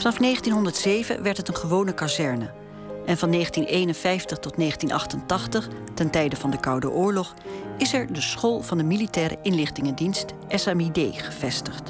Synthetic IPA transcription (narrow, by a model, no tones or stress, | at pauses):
fɑnɑfnejχəntinɦɔndəɹtsejvə̰ʋɛɹtɦətənχəʋownəkazɛɹnə | ʔɛnvɑnːejχəntinʔeːjnənvɛjftəχtɔtneːχəntinʔɑ̰χtəntɑχtəχtɛntɛjdəvɑndəkɑwdə̰ʔʊːɹlɔχɪsɛɹdəsχolˠv̥ɑndəmilitɛːɾə̰ʔɪnlɪχtɪŋəndinst | ʔɛsamidejχə̥v̥ɛstəχt